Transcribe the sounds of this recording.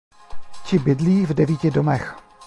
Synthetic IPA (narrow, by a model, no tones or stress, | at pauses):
t͡ʃɪbɪdliːvdɛviːcɪdomɛx